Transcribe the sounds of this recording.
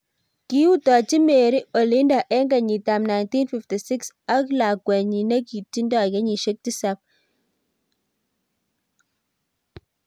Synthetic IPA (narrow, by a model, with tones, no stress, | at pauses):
ki˦u˦tɔ˨t͡ʃi˦me˨ɾi˦o˨li˦nda˨ʔɛ˦ŋɡa˨ɲi˨ta˨mna˨jnti˦nfi˨fti˨si˦ksa˦kla˨kwɛ˨ɲi˨nɛ˦ki˨tːi˦ndɔ˦ɣɛ˦ɲi˨ʃe˦k̚ti˦sa˦p̚